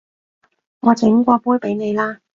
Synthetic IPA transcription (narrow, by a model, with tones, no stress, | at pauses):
ŋɔː˨˧t͡sʰɪ˨˥ŋkʷɔː˧puː˥jpe˨˥jne˨˧jlaː˥